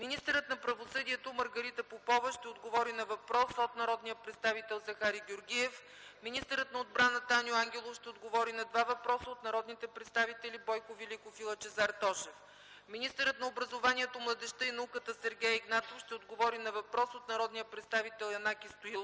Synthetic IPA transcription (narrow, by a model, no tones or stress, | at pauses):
minist̪əɾət̪nɐpɾɐvosɤd̪iɛt̪omɐɾɡɐɾit̪əpopɔvəʃt̪ɛod̪ɡovɔɾinɐvɐpɾɔsəot̪nɐɾɔd̪nijəpɾɛt̪st̪avit̪ɛlˠzɐxaɾiɡʲoɾɡʲiɛf | minist̪əɾət̪nɐod̪̚bɾanət̪anjoaŋɡʲɛlˠofʃt̪ɛod̪ɡovɔɾinɐd̪vavɐpɾɔsəot̪nɐɾɔd̪nit̪ɛpɾɛt̪st̪avit̪ɛlibɔjkovilikofilˠət͡ʃɛzaɾt̪ɔʃɛf | minist̪əɾət̪nɐobɾɐzovaniɛt̪omlˠɐd̪ɛʃt̪əinɐukət̪əsɛɾɡʲɛjiɡnat̪ofʃt̪ɛod̪ɡovɔɾinɐvɐpɾɔsot̪nɐɾɔd̪nijəpɾɛt̪st̪avit̪ɛlˠɐnakist̪oilˠ